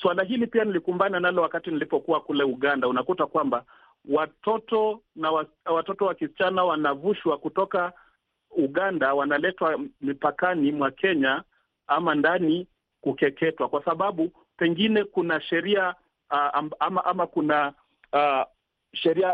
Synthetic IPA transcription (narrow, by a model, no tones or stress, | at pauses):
swalaɦilipianilikumbananalɔwakatinilipɔkuwakulɛuɠandaunakutakwamba | watɔtɔnawa | watɔtɔwakisit͡ʃanawanavuʃwakutɔka | uɠandawanalɛtwamipakanimwakʰɛɲa | amandani | kukɛkɛtwakwasaɓaɓu | pɛŋɡinɛkunaʃɛɾia | mamaʔamakuna | ʃɛɾia